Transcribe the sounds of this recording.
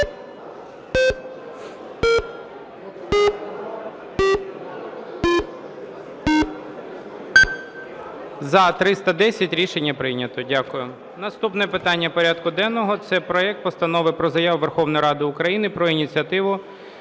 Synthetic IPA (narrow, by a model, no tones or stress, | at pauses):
zɐt̪ɾɪst̪ɐd̪ɛsʲɐtʲɾʲiʃenʲːɐpɾɪnʲɐt̪ɔdʲakʊjʊ | nɐst̪upnɛpɪt̪ɑnʲːɐpɔɾʲad̪kʊd̪ɛnːɔɦɔt̪sɛpɾɔɛk̚t̪̚pɔst̪ɐnɔʋɪpɾɔzɐjaʋʊʋerxɔʋnɔjɾɑd̪ɪʊkɾɐjinɪpɾɔinʲit͡sʲiɐt̪ɪʋʊ